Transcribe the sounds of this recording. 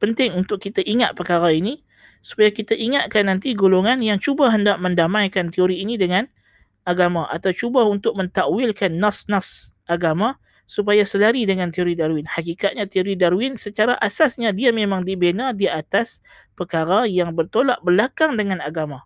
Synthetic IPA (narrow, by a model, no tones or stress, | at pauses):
pənt̪ɪŋunt̪ʊkːit̪aʔiŋat̪̚pəkaɾaini | su̥pajakit̪aʔiŋat̪̚kanːant̪iɡuluŋanjaŋt͡ʃubaɦəndaʔməndamãjkant̪ioɾiːnidəŋan | ʔaɡamaʔa̰t̪awt͡ʃubaunt̪ʊk̚mənt̪aʔwɪlkanːasnasʔaɡama | sup̬ajasəlaɾidəŋant̪ioɾidaɾuɪnhakikat̪̚ɲat̪ioɾidaɾuwɪnsət͡ʃaɾaʔasasɲadiamemãŋdibenadiat̪as | pəkaɾajaŋbərt̪olaʔbərlakaŋdəŋãnaɡama